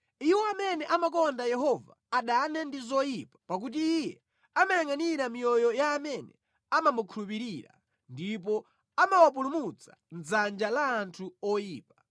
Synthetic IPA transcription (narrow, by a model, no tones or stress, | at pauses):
iwɔamɛnɛʔamak̬ɔndajɛɦɔva̰ːɗanɛndizɔjipḁpak̬ut̬iːjɛ | amajaŋaniɾamijɔjɔjaːmɛnɛ̰ | amamukʰulupiɾiɾa̰ | ndipɔ | amawap̬ulumut͡sḁ̰ | nzand͡ʒalaːntʰuɔjiːpḁ